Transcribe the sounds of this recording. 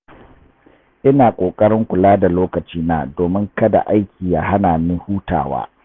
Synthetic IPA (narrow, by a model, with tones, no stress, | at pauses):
ʔɪ˦naː˨kʷʼoː˨kʼɐ˦ɾɪ˦ŋkʷʊ˨laː˦da˨loː˦kɐ˨t͡ʃiː˦naː˦doː˨mɪ˦ŋkɐ˦da̰˨ʔa˦jkʲʰiː˨ja˨ɦa˦naː˨mɪ˦huː˦ta̰ː˨wa̰ː˦